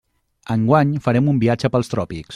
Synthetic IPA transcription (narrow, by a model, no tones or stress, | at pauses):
əŋɡwaɲfəɾɛmumbiad͡ʒəpəlˠst̪ɾɔpiks